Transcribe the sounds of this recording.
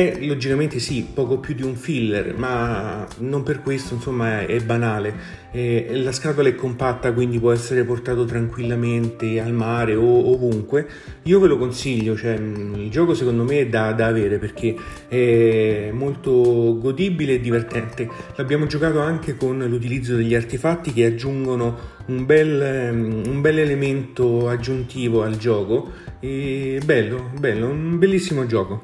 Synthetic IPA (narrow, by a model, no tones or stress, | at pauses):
ɛlod͡ʒikament̪esipːɔːkopjud̪ːiuɱfilːḛrma | nomperkwest̪oinsomːaɛbːanaːle | ɛlaskat̪olaɛkːompat̪ːakwind̪ipwɔɛsːeɾeport̪aːt̪ot̪ɾaŋkwilːament̪ealmaːɾeoovuŋkwe | iːovelokonsiʎːot͡ʃoɛild͡ʒɔːkosekond̪omeɛd̪ːad̪aːveːɾeperk̟ʰe | ɛmːolt̪oɡod̪iːbileːd̪ːivert̪ɛnt̪elabːjaːmod͡ʒokaːt̪oaŋk̟ekonlut̪̬ilid̪zːod̪eʎːiart̪efat̪ːik̟ead͡ʒːuŋɡono | umbɛl | umbɛlːelement̪oad͡ʒːunt̪iːvoald͡ʒɔːkoɛbɛlːobɛlːounumbelːisːimod͡ʒɔːko